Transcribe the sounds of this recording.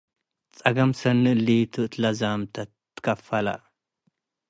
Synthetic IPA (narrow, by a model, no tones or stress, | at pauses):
t͡sʼɐɡɐmsɐnːɨɨlːit̪ʰɨʔt̪ʰlɐzamt̪ʰɐ | tːɨ̥kʰɐfɐla̰